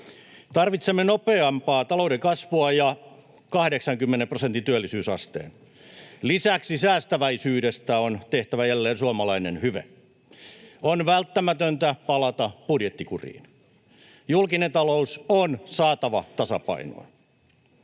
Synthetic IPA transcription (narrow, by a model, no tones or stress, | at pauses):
t̪ɑrʋit̪semːenopeɑmpɑːt̪ɑloudekɑsʋoɑjɑ | kɑhdeksɑŋkymːenemprosent̪int̪yælːisyːsɑ̰st̪ḛːn | lisæksisæːst̪æʋæisyːdest̪æont̪eht̪æʋæjælːeːnsuɑmɑlɑinenhyʋḛ | onʋælt̪ːæmæt̪ønt̪æpɑlɑt̪ɑb̥udjet̪ːikurḭːn | julkinet̪ɑlousonsɑːt̪ɑʋɑt̪ɑsɑ̰pɑ̰ino̰ː